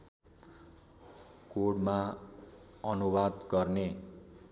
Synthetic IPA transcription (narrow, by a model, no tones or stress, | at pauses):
koɽma | ʌnubad̪ɡʌrne